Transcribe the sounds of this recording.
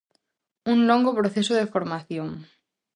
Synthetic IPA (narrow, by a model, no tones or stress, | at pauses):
uŋloŋɡopɾoθesʊðefoɾmaθjoŋ